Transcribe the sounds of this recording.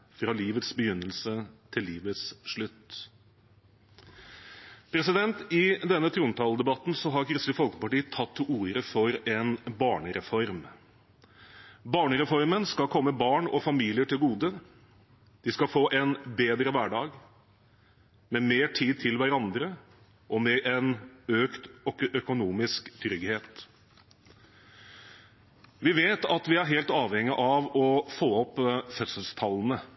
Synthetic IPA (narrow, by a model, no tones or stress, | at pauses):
fɾɑliːʋət̪sbəjʏnːəlsət̪ʰɪlːiːʋət̪sʂɭʉt̪ | pʰɾɛsɪd̪ɛnt̪ɪd̪ɛnːət̪ʰɾuːnt̪ʰɑːld̪ɛbɑt̪ːn̩sɔɦɑɾkʰɾʏsləfɔlkə̥pɑʈiːət̪ʰɑt̪ʰːɪuːɾəfɔɾɛnbɑːɳəɾɛfɔɾm | bɑːɳəɾɛfɔɾmənskɑkʰɔmːəbɑːɳɔfɑmiːlɪəʈʰɪlɡuːd̪ə | d̪̥ɪskɑfoːʔɛnbeːd̪ɾəʋæɖɑːɡ | mɛmeːʈʰiːd̪̚t̪ʰɪlʋæɾɑnd̪ɾə | ʔɔmɛʔɛnøːkt̪œkʊnuːmɪskt̪ʰɾʏɡheːt̪ | ʋɪʋeːt̪ɑt̪ʋɪæɾɦeːlt̪ɑːʋhɛŋːɪʔɑʋɔfoːɔpːfœt̪səlst̪ʰɑlːənə